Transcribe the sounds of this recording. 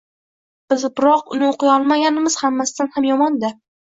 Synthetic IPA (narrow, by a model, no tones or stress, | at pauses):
b̥ɪzbɪɾɒqʊnɪoqʰɨjɒlˠmaɡʲanɪmɪz̥hamːasɪd̪anhamjɒmɒnd̪a